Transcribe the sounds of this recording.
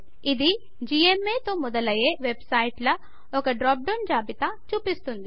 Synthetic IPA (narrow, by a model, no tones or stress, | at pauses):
id̪i | d͡ʒiemːeːt̪o̞ːmɔd̪ɐlɐje̞ːʋe̞bsɐjʈlɐ | ɔkɐɖɾaːp̚ɖond͡ʒaːbit̪ɐt͡ʃuːpist̪und̪i